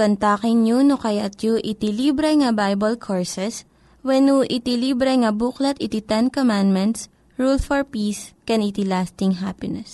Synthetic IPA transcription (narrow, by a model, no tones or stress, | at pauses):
kɐnt̪aːkɪnɲunokɐjat̪̚joʔɪt̪ilibɾɛŋɐbajbɐlkʰoɹsɛs | wɛnuʔɪt̪ilibɾɛŋɐbuklɐt̪ɪt̪it̪ɛnkomãnd̪mɛnt̪s | ɹulfɔɹpiːskɛnɪt̪ilast̪ɪŋɦapɪnɛs